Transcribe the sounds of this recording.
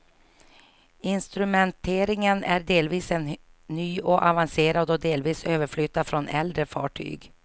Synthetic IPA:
ɪnst̪ɾɵmɛnt̪ʰeːɾɪŋənæɖeːlviːsɛnːyːɔʔavanseːɾad̪ɔd̪eːlviːsøːvəɾflʏt̪ːafɾɔnɛld̪ɾəfɑ̰ːʈʰy̰ːɡ

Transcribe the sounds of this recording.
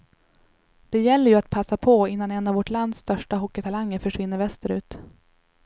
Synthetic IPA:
d̪̥ɛjɛlːəɾjɵat̪̚pʰasːapʰɔɪnːanɛnːavɔʈland̪st̪œʂʈaɦɔkːət̪ʰalaŋːəɾfœʂvɪnːəɾvɛst̪əɾʉ̟ːt̪

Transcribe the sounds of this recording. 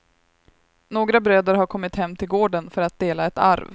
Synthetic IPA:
noːɡɾabɾøːd̪əɾɦaɾkʰɔmːɪt̪hɛmːt̪ʰɪlɡoːɖənfœɾat̪̚d̪eːlaɛt̪a̰ɾv

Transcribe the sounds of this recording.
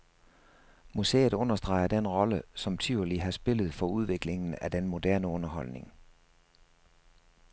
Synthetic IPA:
musḛːð̩ˠɔ̽nɐsd̥ʁɑ̈ɪɐd̥enʁɒ̽ləsɒ̽mt͡sʰyʊliɦɑ̈sb̥e̝lð̩ˠfɒ̽uð̞ˠʋe̝ɡ̥le̝ŋn̩æd̥enmo̝d̥æɐnəɔ̽nɐɦɒ̽l̰ne̝ŋ

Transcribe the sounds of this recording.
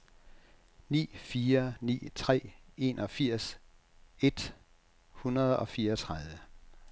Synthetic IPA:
nḭːfiːɐnḭːt͡sʰʁɛ̰ːe̝̰nʔɒ̽fiɐ̰s | e̝d̥ | hunɐð̞ˠɒ̽fiːɐʌt͡sʰʁaðˠʋə

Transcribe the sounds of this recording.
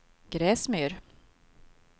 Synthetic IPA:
ɡ̥ɾɛːsmyːɾ

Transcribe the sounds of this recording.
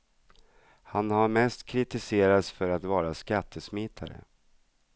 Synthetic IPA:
hanhaɾmɛst̪kʰɾɪt̪ɪseːɾat̪sfœɾat̪vɑːɾaskat̪ʰːəsmɪːt̪ʰa̰ɾə̰

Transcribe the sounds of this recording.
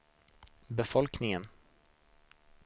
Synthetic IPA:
bɛfɔlknɪŋən

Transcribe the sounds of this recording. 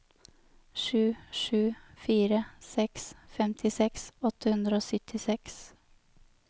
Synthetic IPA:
ʃʉːʃʉːfiːɾəsɛksfɛmt̪ʰɪsɛksɔt̪ʰəhʉnd̪ɾəoːsʏt̪ʰɪsɛks

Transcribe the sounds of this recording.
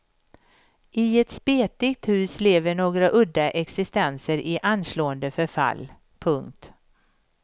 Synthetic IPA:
ɪɛt̪speːt̪ɪɡt̪hʉ̟ːsleːvəɳoːɡɾaʔɵd̪ːaʔɛksɪst̪ɛnsəɾʔɪʔanːsloːənd̪əfœɾfa̰lː | pʰɵŋkt̪

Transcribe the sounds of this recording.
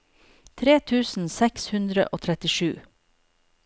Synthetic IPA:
t̪ʰɾeːt̪ʰʉːsn̩sɛkshʉnd̪ɾə̰ʔoːt̪ʰɾɛt̪ɪʃʉː

